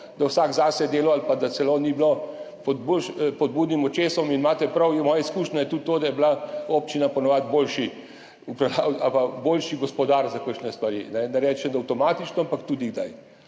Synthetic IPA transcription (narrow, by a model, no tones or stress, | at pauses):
d̪awsaɡzaːsɛd̪eːlɔalpad̪at̪sɛloːniblo | pɔd̪boʃpɔd̪̚buːd̪nimɔt͡ʃeːsɔminmaːt̪ɛpɾɐwɛmɔːjaiskuːʃnʲɛjɛt̪ut̪ːoːd̪ajɛblaop̚t͡ʃinapɔnɔʋat̪boːlʃi | upɾɐlawapaboːlʃiɡɔspɔd̪aːɾzakəkʃnɛst̪ʋɐɾḭnɛnɛɾɛːt͡ʃɛnd̪ɐwt̪ɔmaːt̪it͡ʃnɔampakt̪uːd̪iɡd̪a̰j